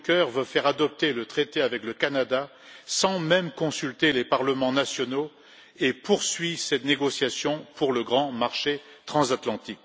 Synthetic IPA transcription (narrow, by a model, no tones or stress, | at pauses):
kœʁvøfɛʁad̪ɔp̚t̪elət̪χet̪eavɛkləkanad̪a | sɑ̃mɛmkɔ̃sylt̪elepaʁləmɑ̃nasjɔno | epuʁsɥisɛt̪neɡɔsjasjɔ̃puʁləɡʁɑ̃maʁʃe | t̪χɑ̃zat̪lɑ̃t̪ik